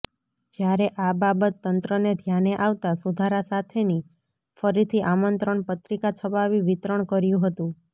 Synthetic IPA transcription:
d͡ʒjaɾeʔababət̪ːənt̪ɾəned̪ʱjaneʔaʋt̪asud̪ʱaɾasat̪ʰeni | fəɾit̪ʰiʔamənt̪ɾəɳpət̪ɾikat͡ʃʰəpaʋiʋit̪ɾəɳ̃kəɾjũɦət̪ũ

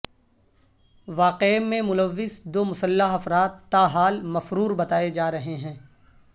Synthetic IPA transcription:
ʋaːqeːmẽmʊləʋːɪzd̪oːmʊsəlːaɦɐfɾaːt̪ːaːɦaːlmɐfɾuːɾbɐt̪aːed͡ʒaːɾɐɦeɦɛ̃ː

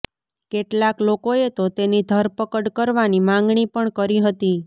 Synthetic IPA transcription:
keʈlaklokoet̪ot̪enid̪ʱəɾpəkəɽkəɾʋanimãŋɡɳipəɳkəɾiɦət̪i

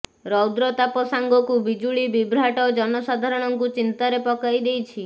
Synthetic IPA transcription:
ɾɔwd̪ɾɔt̪apɔsaŋɡɔkubid͡ʒuɭibibɾaʈɔd͡ʒɔnɔsad̪ʱaɾɔɽ̃ɔŋkut͡ʃint̪aɾepɔkajd̪ejt͡ʃʰi

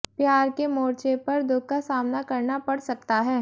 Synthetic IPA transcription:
pjaːɾkemoːɾt͡ʃepɐɾd̪ʊɡ̚kasaːmnakɐɾnapɐɽsɐk̚t̪aɦɛː

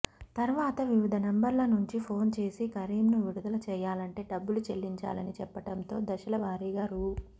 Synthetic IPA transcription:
t̪ɐɾʋaːt̪ɐʋiʋid̪ʱɐnembɐɾlɐnuɲt͡ʃipʰo̞ːnt͡ʃe̞ːsikɐɾiːmnuʋiɽud̪ɐlɐt͡ʃɛːjaːlɐɳʈe̞ːɖɐbːulut͡ʃelːiɲt͡ʃa̰ːlɐnit͡ʃɛpːɐʈɐnt̪o̞ːd̪ɐʃɐlɐbʱaːɾiːɡaːɾu

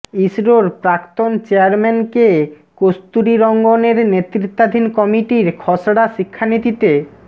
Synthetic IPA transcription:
isɾoɾpɾakt̪ont͡ɕeaɾmenke | kost̪uɾiɾɔŋɡoneɾnet̪ːɾit̪ːad̪ʱinkɔmiʈiɾkʰɔsɽaʃikʰːanit̪it̪e

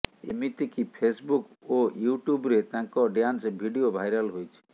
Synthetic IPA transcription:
ḛmit̪ekipʰesbuk | ojuʈjubɾet̪ãŋkɔɖjansbʱiɖiobʱajɾalɦojt͡ʃʰi̥

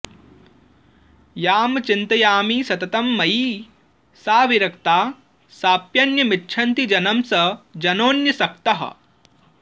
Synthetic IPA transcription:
jaːmɐt͡ʃint̪ɐjaːmiːsɐt̪ɐt̪ɐmːɐjiː | saːʋiɾɐkt̪aː | saːpjɐnjɐmitːʃʰɐnt̪id͡ʒɐnɐmsɐd͡ʒɐnoːnjɐsɐk̚t̪ɐɦɐ̰

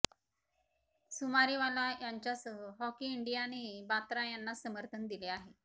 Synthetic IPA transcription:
sumaɾiʋalajaɲt͡ɕjasəɦəɦɔkiːɳɖijanibat̪ɾajanːasəməɾt̪ʰənd̪ileaɦe

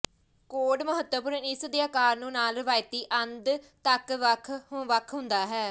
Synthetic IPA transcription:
koːɖməɦət̪ːəpʊɾənɪsd̪eaːkaːɾnũːnaːlʋaːɪt̪iːʔənd̪ | t̪əkʋəkʰɦʋəkʰɦʊ̃nd̪aːɦɛː

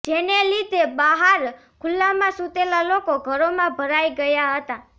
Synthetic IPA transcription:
d͡ʒenelid̪ʱebaɦaɾ | kʰʊlːamãsut̪elalokoɡʱəɾomãbʱəɾaiɡəjaɦət̪a

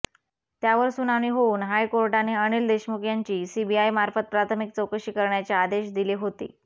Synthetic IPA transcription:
t̪jaʋəɾsunaʋɳ̃iːɦouːnɦajkoɾʈaneəɽ̃iːld̪eɕmukʰjaɲt͡ɕiːsibiajmaɾfət̪̚pɾat̪ʰəmik̚t͡səwkəɕiːkəɾɳjat͡ɕjaad̪eɕd̪iliɦot̪ḭː

